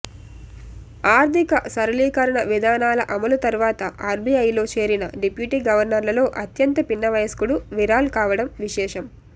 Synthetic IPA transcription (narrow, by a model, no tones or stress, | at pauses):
aːɾt̪ikɐsɐɾɐliːkɐɾɐɳɐʋid̪ʱaːnaːlɐʔɐmɐlut̪ɐɾʋaːt̪ɐʔaːɾbiɐjlo̞ːt͡ʃe̞ːɾinɐɖipjuʈiːɡɐʋɐɾnɐɾlɐlo̞ːʔɐt̪jɐnt̪ɐpinːɐʋɐjɐskuɽuʋiɾaːlukaːʋɐɽɐmʋiʃɛːʂɐm